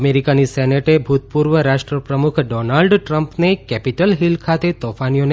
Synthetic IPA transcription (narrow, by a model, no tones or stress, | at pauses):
meɾikanisɛneʈebʱut̪̚puɾʋəɾaʃʈɾəpɾəmukʰɖɔnalɖʈɾəmpnekɛpiʈəlɦilkʰat̪et̪ɔfanijon